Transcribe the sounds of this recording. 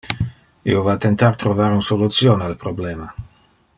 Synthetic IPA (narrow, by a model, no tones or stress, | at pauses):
ḭovat̪ent̪art̪ɾovaɾunsolut̪sjonealpɾobleːma